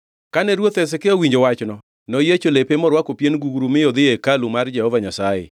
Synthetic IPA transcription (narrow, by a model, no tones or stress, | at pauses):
kanɛɾwot̪ɛs̬ɛkeowiɲd͡ʒowat͡ʃnɔ | nɔjet͡ʃolepemɔɾwakopjenɡuɡɾumɪjod̪ɪekalumard͡ʒɛhɔvaɲasajɛ̰